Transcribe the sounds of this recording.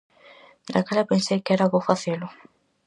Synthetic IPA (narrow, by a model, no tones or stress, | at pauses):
d̪akalapensejkɛɾaβofaθelʊ